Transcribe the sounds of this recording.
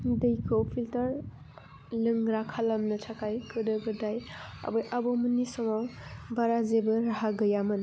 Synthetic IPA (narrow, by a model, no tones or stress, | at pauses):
dɯjkʰopʰiltɐɾ | lɯŋɾakʰalamnɯtʰakʰajkɯdɯɡɯdaja̰bɯjʔabɔmunisɔmawbaɾazebɯɾaɦaɡɯjamɯn